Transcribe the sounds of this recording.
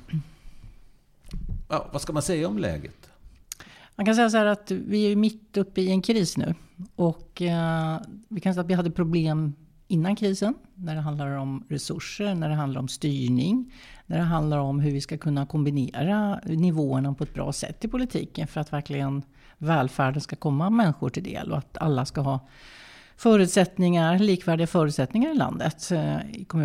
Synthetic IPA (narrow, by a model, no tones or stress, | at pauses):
a̰vaskamansɛjːaɔmlɛ̰ːɡət̪ | mankʰans̬ɛjːas̬ahæːɾat̪vɪæjʏmɪt̪ːɵpːəɪɛnkʰɾiːsnʉ̟̰ːʔɔkː | vɪkʰansɛjːat̪vɪɦad̪ːəpʰɾʊbleːm | ɪnːankʰɾiːsənːæɖɛɦand̪laɾɔmɾɛsɵʂːəɳæɖɛɦand̪aɾɔmst̪yːɳɪŋnæɖɛɦand̪laɾɔmɦɵɾvɪskakʰɵnːakʰɔmbɪnḛːɾanɪvoːəɳapʰɔɛt̪̚bɾɑ̰ːsɛ̰t̪ːɪlpʰʊlɪt̪ʰḭːkənfœɾat̪væɾklɪɡən | vɛːlfæːɖənskakʰɔmːamɛnːɪɧʊʈʰɪld̪ḛːlʔɔ̰at̪a̰lːaskaɦɑː | fœːɾʉ̟t̪sɛt̪nɪŋaɾliːkvæːɖɪɡafœːɾʉ̟ːt̪sɛt̪nɪŋaɾɪla̰nd̪ə̰t̪ɪ̰kʰɔmʉ̟